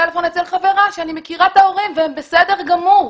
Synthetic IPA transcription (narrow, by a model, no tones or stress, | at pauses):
elefonet͡selχave̞ʁaʃeanimekiʁat̪ao̞ʁimveembe̞sede̞ʁɡamu